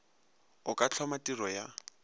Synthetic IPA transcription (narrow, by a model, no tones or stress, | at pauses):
ʊkʼat͡ɬʰɔmatirɔja